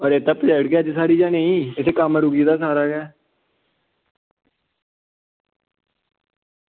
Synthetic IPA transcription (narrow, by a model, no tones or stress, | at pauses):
ɔːɾeːt̪ãːpəd͡ʒəːɽɡeəd͡ʒsaːɽiːd͡ʒaːnə̃ĩːɪsʰeːkəmɾʊɡiːd̪aːs̬aːɾaːɡɛː